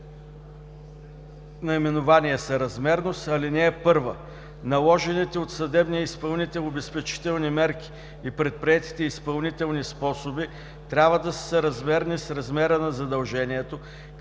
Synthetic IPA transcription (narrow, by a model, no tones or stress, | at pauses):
nɐimɛnʊvaniɛsɐɾɐzmɛɾnost̪ɐlinɛːpɤɾvə | nɐlˠɔʒɛnit̪ɛot̪sɐd̪ɛbnijəispɐlˠnit̪ɛobɛspɛt͡ʃi̥t̪ɛlˠnimɛɾk̟i̥ː | pɾɛt̪̚pɾiɛt̪i̥t̪ɛispɐlˠnit̪ɛlˠnispɔsobi | t̪ɾʲabvəd̪ɐssəɾɐzmɛɾnisɾɐzmɛɾənɐzɐd̪ɐlˠʒɛniɛt̪o